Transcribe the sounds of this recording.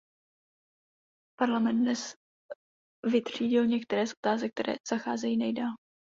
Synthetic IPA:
paɾlamɛnd̪nɛs | vɪt̪r̝̥iːɟɪlɲɛk̚t̪ɛɾɛːsʔo̞t̪aːzɛk̚t̪ɛɾʔɛ̰ːz̥axaːzɛjiːnɛjdaːl

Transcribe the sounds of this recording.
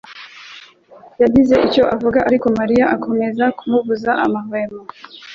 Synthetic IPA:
jaɟize̞ʔico̞ʔavuɡaʔaɾiko̞maɾijaʔakʰo̞me̞zakʰumuvuzaʔa̰mavemo

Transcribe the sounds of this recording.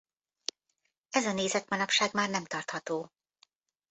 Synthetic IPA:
ɛzɒneːzɛt̪mɒnɒpʃaːɡmaːrnɛmt̪ɒrt̪hɒt̪oː

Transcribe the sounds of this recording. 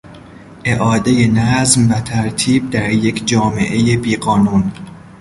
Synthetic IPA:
ʔe̞ʔɒːd̪eje̞næzmvæt̪ʰæɾt̪ʰiːb̚d̪æɾje̞kʰd͡ʒɒːme̞̰ʔe̞je̞biːɢɒːnuːn

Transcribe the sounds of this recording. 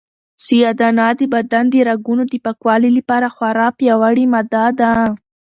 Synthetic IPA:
sijad̪ɑnɑd̪əbad̪and̪əɾaɡunod̪əpakwɑliləpɑɾaxwaɾɑpjawaɽimad̪ad̪a

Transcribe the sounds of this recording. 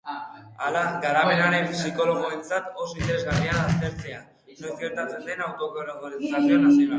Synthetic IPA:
alaɣaɾape̞naɾe̞nsiko̞lo̞ɣoe̞nt͡sat̪o̞sint̪eɾe̞zɣariaːst̪e̞ɾt͡se̞a | nojzɡe̞ɾt̪at͡send̪e̞nawt̪o̞koɾoɣoɾesasionasina

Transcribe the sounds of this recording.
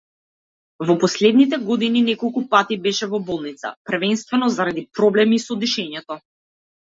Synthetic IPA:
vɔpɔslɛd̪nit̪̬ɛɡɔd̪ininɛkɔlˠkupat̪ibɛʃɛvɔbɔlˠnit̪sa̰prvɛnst̪vɛnɔzaɾad̪ipɾɔblɛmisɔd̪iʃɛɲɛt̪ɔ

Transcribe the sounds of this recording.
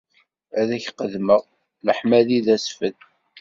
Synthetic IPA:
æðæçqəðməʁ | ləħmæðiðæsfəð

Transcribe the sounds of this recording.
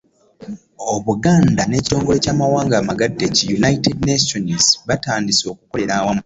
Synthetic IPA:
oβuɡaːndane̞ːci̥to̞ːŋɡo̞le̞caːmawaːŋɡaːmaɡadːecijunajitednasonizβataːndiso̞ːkuko̞le̞ɾaːwamu

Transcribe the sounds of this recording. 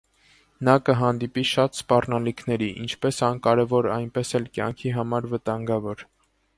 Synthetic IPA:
nɑkəɦɑnd̪ipiʃɑt̪spɑrnɑlikʰnɛɾiʔḭnt͡ʃʰpɛsɑnkɑɾɛvɔɾɑjnpɛsɛlkjɑ̰ŋkʰiɦɑmɑɾvət̪ɑŋɡɑvɔɾ

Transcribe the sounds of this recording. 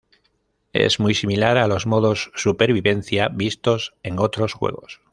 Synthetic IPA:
ḛzmujsimilaɾalo̞zmo̞ðo̞sːupe̞ɾβ̞iβe̞n̟θjaβist̪o̞se̞ŋo̞t̪ɾo̞sxwe̞̰ɣ̞o̞s

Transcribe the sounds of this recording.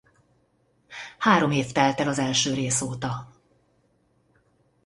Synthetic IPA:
haːɾo̞meːft̪ɛlt̪ɛlɒzɛlʃøːɾeːsoːt̪ɒ

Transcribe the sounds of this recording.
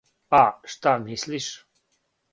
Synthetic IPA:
aʃt̪anhisliʃ

